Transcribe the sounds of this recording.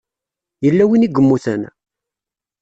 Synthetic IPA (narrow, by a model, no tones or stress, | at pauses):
jəlːæwiniɡʷəmːuθə̰n